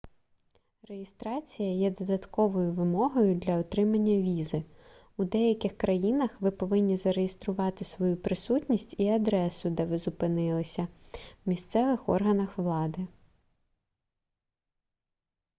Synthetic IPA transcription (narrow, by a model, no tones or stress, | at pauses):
re̞jest̪ɾɑt͡sʲijɐjɛd̪ɔd̪ɐt̪kɔʋɔjʊʋɪmɔɦɔjʊd̪lʲɐɔt̪ɾɪmɐnʲːɐʋʲizɪ | ud̪ɛjɐkʲɪxkɾɐjinɐxʋɪpɔʋɪnʲːizɐɾejest̪ɾʊʋɑt̪ɪsʋɔjupɾɪsutʲnʲisʲtʲiɐd̪ɾɛsʊd̪ɛʋɪzʊpɪnɪlˠɪsʲɐwmʲist̪sɛʋɪxɔ̰rɦɐnɐxʋlˠɑd̪ɪ